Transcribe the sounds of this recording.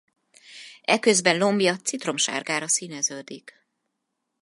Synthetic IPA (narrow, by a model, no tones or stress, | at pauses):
ɛkø̞zbɛnlo̞mbijɒt̪sit̪ro̞mʃa̰ːrɡaːɾɒsinɛzøːd̪ik